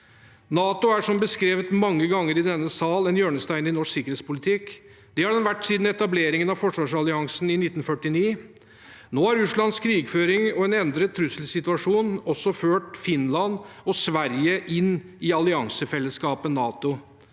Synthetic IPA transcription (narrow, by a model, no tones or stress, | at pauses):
nɑːt̪ʊæʂɔmbəskɾeːʋət̪mɑŋːəɡɑŋːəɾɪd̪ɛnːəsɑːlɛnjøːɳəst̪æɪnɪnɔʂksɪkəɾheːtspʊlɪt̪ʰɪk | d̪̥ɛhɑɖɛnʋæʈːsiːd̪n̩ɛt̪ɑbleːɾɪŋənɑfɔʂʋɑːʂɑlɪɑŋsnɪnɪt̪ːnfœʈːɪniː | noːhɑɾʉʂɭɑnskʰɾiːɡføːɾɪŋɔɛnɛnd̪ɾət̪ʰɾʉsəlsɪt̪ʉɑʂuːnɔsːɔføːʈfɪnlɑnɔsʋæɾjəʔɪnː | ɪɑlɪɑŋsəfɛlːəskɑːpənɑːt̪ʊ